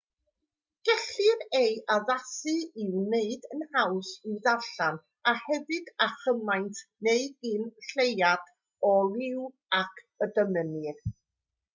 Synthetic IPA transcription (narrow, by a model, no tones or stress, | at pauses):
ɡ̥ɛɬɨɾejʔaðasɨɪwneɨdənhawsiðaɬan | ahɛðɨd̥aχəmajntʰneɨɡɨnɬejad̥ | ɔlɪw | akʰ | ədəmənɪr